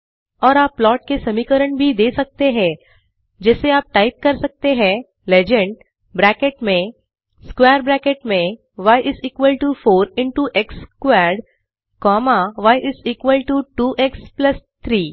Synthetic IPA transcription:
ɔːɾaːpːlɔːʈ̚kesɐmiːkəɾəɳbʱid̪eːsɐk̚t̪eɦɛ̃ː | d͡ʒɛːseaːp̚ʈaːɪp̚kɐɾsɐk̚t̪eɦɛ̃ | leːd͡ʒə̃ɳɖ | bɾɛːkeʈmẽ | skwɛːɾbɾɛːkeʈmẽ | ʋaːɪʔɪziːkʋəlʈufoːɾɪ̃ɳʈuʔɛkskwɛːɾɖ | kɔːmaʋaːɪʔɪziːkʋəlʈuʈuːʔɛksplɐst̪ʰɾiː

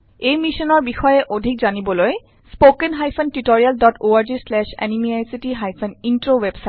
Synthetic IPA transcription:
ejmisɔnɔɹbixɔjɛʔodʱikzanibɔloj | spokenɦajpʰɔntitoɹialdɔtʰoaɹzislɛʃɛ̰nimiajsitiɦajpʰɔnintɹowebsa

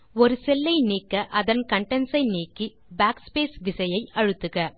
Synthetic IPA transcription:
ɔɾɯsɛlːɐɪniːkːɐʔɐðɐnkɐɳʈɐnsɐɪniːkːi | baːkspeːsʋɪsɐjɐɪʔɐɻɯt̪ːɯɣɐ

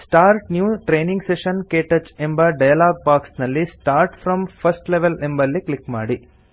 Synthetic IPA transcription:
sʈaːɾʈnjuːʈɾeːnĩŋɡseʃɐnkeːʈet͡ʃembɐɖɐjalaːɡ̚baːksnɐlːisʈaːɾʈfɾɐmpʰɐsʈleʋelembɐlːiklikmaːɽi

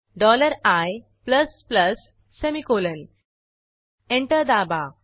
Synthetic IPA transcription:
ɖɔləɾaj | pləspləsː | emikoːlən | ẽɳʈəɾd̪aba

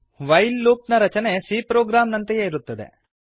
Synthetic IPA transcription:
ʋɐjlːuːpnɐɾɐt͡ʃɐne̞siːpɾoːɡɾaːmnɐnt̪ɐjeiɾut̪ːɐd̪ḛ

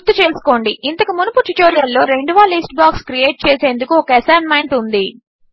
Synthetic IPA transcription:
d̪ːut͡ʃe̞ːsu̥ko̞ːɳɖiint̪ɐkumunɐput͡ʃiʈoːɾijɐlːo̞ːɾe̞ɳɖuʋaːlisʈ̚baːkskɾieːʈ̚t͡ʃeːse̞ːnd̪ukuɔkɐɛsaːnmɐjɳʈund̪i

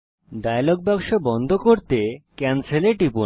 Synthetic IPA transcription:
ɖajaloɡ̚bɛkʃobɔnd̪ʱokoɾt̪ekɛnseleʈipu

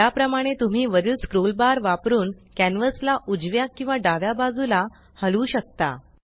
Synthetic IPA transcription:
japɾəmaɽ̃et̪um̤iːʋəɾiːlskɾulbaɾʋapɾuːnkænʋəslaʔud͡zʋjakĩw̃ʋaɖaʋjabad͡zula | həluːɕək̚t̪a̰

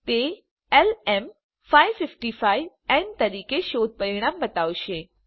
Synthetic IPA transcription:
t̪e | ɛlɛm | fʰaːiʋfɪfʈifʰaːiʋ | ɛnt̪ɐɾiːkeʃoːd̪̚pəɾɪɽ̃ãːmbɐt̪aːʋʃeː

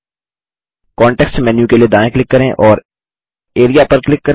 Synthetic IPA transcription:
kɔːɳʈɛːksmɛnjũkelied̪aːẽklɪkːɐɾẽʔɔːɾ | eːɾijapɐɾklɪkːɐ

